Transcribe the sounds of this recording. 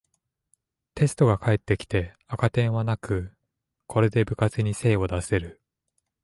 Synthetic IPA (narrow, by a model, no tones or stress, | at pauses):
t̪e̞sɨ̥t̪o̞ɡakʰaet̪ːe̞kʲi̥t̪e̞ | akat̪ẽɰ̃βanakɯ̟ | kʰo̞ɾe̞d̪e̞bɯ̟kat͡sɨɲ̟ise̞ːo̞d̪ase̞ɾɯ̟